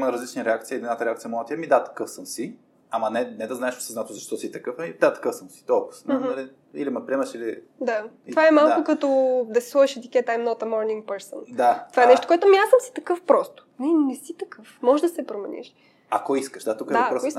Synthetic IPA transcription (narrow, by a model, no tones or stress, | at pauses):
mɐɾɐzlit͡ʃniɾɛakt̪siəid̪ɛnat̪əɾɛakt̪iəmɔlˠɐt̪ʲiɛmid̪at̪ɐ̥kɤfsəmsi | ɐmɐnɛnɛd̪ɐznaɛʃɔ̥siznat̪uzɐʃt̪ɔsit̪ɐkɤfɐid̪at̪ɐ̥kəfsəmsi̥t̪ɔsnɦnɐli | ḭlimɐpɾiɛməʃili | d̪att̪ovaɛmalˠkʊkɐt̪ɔd̪ɐsi̥slˠəʃɛt̪ikʲɛt̪ːaimnɔt̪ɐmɔɾniŋɡ̚pəɾsənd̪at̪ovaɛnɛʃt̪o̥koɛt̪ʊmiasəmsi̥t̪ɐkəfpɾɔst̪o̥nɛnɛsit̪ɐkɤfmɔʒd̪ɐsɛpɾomɛnḭʃ | ɐkoiskəʃd̪at̪ukəd̪vɐapɾɔois